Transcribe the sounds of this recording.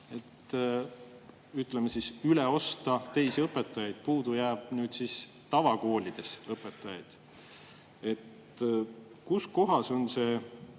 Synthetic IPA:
e̞t̪ | yt̪ˑlemesisyleo̞st̪ɑt̪e̞jsiɤpːˑe̞t̪ːˑɑjɑjd̪̥̚puːd̪ujæːb̥̚nyːd̪̥sis | t̪ɑvɑko̞ːlʲid̪̥e̞sɤpːˑe̞t̪ːˑɑjɑ̰jd̪̥ | e̞t̪ | kusko̞ɦɑso̞nse̞

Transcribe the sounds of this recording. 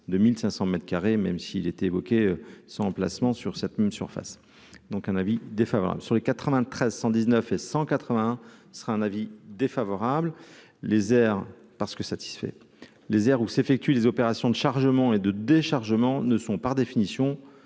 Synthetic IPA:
d̪əmilsɛ̃sɑ̃mɛt̪χkaʁemɛmsiːlet̪ɛevɔkʲeøsɑ̃ɑ̃pla̰smɑ̃syʁsɛt̪mɛmsyʁfa̰s | d̪ɔ̃kɛ̃navid̪efavɔ̰ʁa̰blsyʁlekat̪χəvɛ̃t̪χɛzsɑ̃d̪iznœfesɑ̃kat̪χəvɛ̃ɛ̃səʁaɛ̃navid̪efavɔʁabl | lezɛʁ | paʁsə̥kəsat̪i̥sfɛ̰ | lezɛʁusefɛk̚t̪ɥilezɔpeʁasjɔ̃d̪əʃaʁʒəmɑ̃ed̪əd̪eʃaʁʒəmɑ̃nəsɔ̃paʁd̪efinisjɔ̃

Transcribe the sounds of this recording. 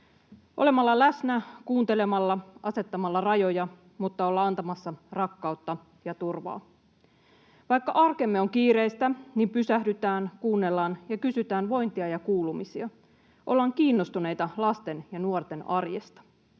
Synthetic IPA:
ʔo̞le̞mɑlːɑlæsnækuːnt̪e̞le̞mɑlːɑʔɑse̞t̪ːɑmɑlːɑrɑjo̞jɑ | mut̪ːɑo̞lːɑɑnt̪ɑmɑsːɑrɑkːɑut̪ːɑ | jɑt̪urʋɑ̰ː | ʋɑjkːɑʔɑrke̞mːeo̞ŋkiːɾe̞jst̪ænimpysæhdyt̪æːnkuːnːe̞lːɑːnjɑkysyt̪æːnʋo̞jnt̪iɑjɑkuːlumisiɑ | ʔo̞lːɑːŋkiːnːo̞st̪une̞jt̪ɑlɑst̪e̞njɑnuort̪e̞nɑrjḛst̪ɑ̥

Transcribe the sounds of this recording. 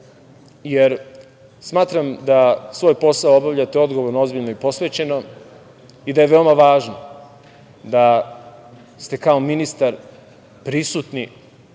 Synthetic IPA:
jeɾ | smaːt̪ɾamd̪asʋo̞ːjpo̞saoobaʋʎat̪eo̞d̪ɡoʋo̞ɾnoo̞zbiʎnoipo̞sʋe̞t͡ɕe̞no | id̪aje̞ʋe̞o̞maʋaːʒno | d̪a | st̪e̞kao̞minist̪aɾ | pɾisut̪ni

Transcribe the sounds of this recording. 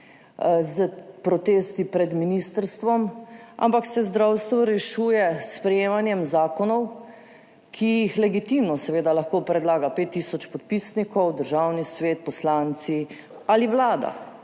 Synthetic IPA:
zəpɾɔt̪eːst̪ipɾɛd̪minist̪əɾst̪ʋɔma̰mpaksɛzd̪ɾawst̪ʋɔɾɛʃuːjɛspɾɛjeːmanjɛmzaːkɔnɔw | kʰijixlɛɡit̪imnɔsɛʋeːd̪alaxkopɾɛd̪laːɡapet̪ːisɔt͡ʃpɔt̪̚pisnikɔwd̪əɾʒawnisʋeːt̪̚pɔslaːnt̪si | aliʋlaːd̪a̰

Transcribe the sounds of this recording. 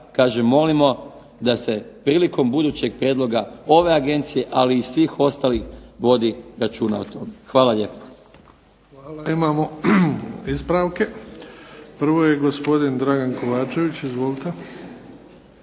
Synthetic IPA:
kaːʒe̞mːo̞limo̞ | d̪ase̞pɾiːliko̞mbud̪uːt͡ɕe̞ɡ̚pɾjeːd̪lˠo̞ɡao̞ʋe̞aɡe̞nt̪sije̞ʔaliːsʋiːxo̞st̪alixʋo̞d̪iɾat͡ʃuːnaot̪o̞mexʋaːlaʎe̞ːpḁ | aːimaːmo | izpɾaʋke | pr̩ʋo̞jeɡo̞spo̞d̪ind̪ɾaɡankoʋaːt͡ʃe̞ʋit͡ɕizʋolt̪e

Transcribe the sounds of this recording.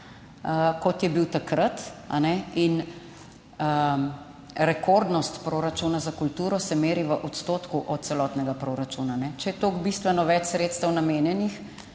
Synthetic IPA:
əkɔt̪jɛbiwt̪akɾat̪a̰nɛin | ə | ɾɛkʰoɾd̪nɔst̪pɾoːɾat͡ʃunazakult̪uːɾɔsɛmeːɾiʋəʔɔt̪st̪oːt̪kuʔɔt̪̚t̪sɛlɔt̪nɛɡapɾoɾat͡ʃuːnanɛt͡ʃɛjɛt̪oːɡbist̪ʋɛnɔʋɛt͡ʃsɾet̪st̪əwnameːnjɛnix

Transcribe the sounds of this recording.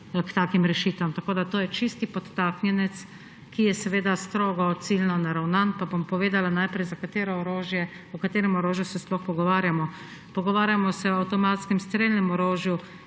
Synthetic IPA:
kt̪akimɾɛʃiːt̪ʋamt̪akoːd̪at̪oːjɛt͡ʃist̪ipɔt̪ːaknjɛnɛt̪s | kijɛsɛʋeːd̪ast̪ɾoːɡɔt̪silnɔnaɾawnanpabompɔʋeːd̪alanajpɾɛjzakat̪eːɾɔɔɾoːʒjɛ | ɔkat̪eːɾɛmɔɾoːʒjusɛsplɔxpɔɡɔʋaːɾjamɔ | pɔɡɔʋaːɾjamɔsɛɔawt̪ɔmat̪skɛmst̪ɾeːlnɛmɔɾoːʒju

